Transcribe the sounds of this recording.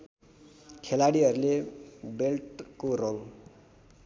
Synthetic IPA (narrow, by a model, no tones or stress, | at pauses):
kʰelaɽiɦʌɾulebelʈkoroŋ